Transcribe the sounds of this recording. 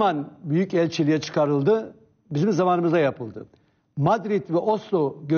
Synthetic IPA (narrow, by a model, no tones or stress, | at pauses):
manbyjycɛlʲt͡ʃʰilʲijɛt͡ʃʰɯ̥kʰaɾɯlˠd̪ɯ | bizimzamanɯmɯzajapʰɯlˠd̪ɯ̰ | mad̪ɾit̪vɛʔoslˠoɟø